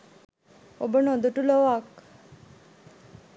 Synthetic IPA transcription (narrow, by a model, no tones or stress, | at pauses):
o̰bənɔd̪uʈulɔʋak